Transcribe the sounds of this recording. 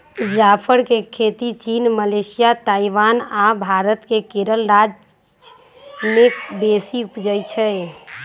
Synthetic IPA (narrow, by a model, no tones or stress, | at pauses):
d͡ʒapʰəɾkekʰet̪it͡ʃinməlesijat̪aiʋanabʱaɾət̪kekeɾəlɾad͡ʒ | mebesiupd͡ʒəjt͡ʃʰɛ